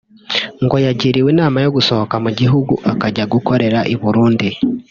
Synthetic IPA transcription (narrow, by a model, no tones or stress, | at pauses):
ŋɡojaɟiɾiwenaːmajo̞ɡusokamuɟiɦuɡṵʔakaɟaɡukoɾe̞ɾaʔiβuɾuːndi